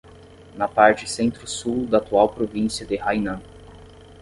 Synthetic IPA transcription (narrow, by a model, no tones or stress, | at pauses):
nɐpaɾt͡ʃɪsẽnt̪ɾʊsuwd̪ɐːt̪uawpɾovĩsiɐd̪ɪhajnɐ̃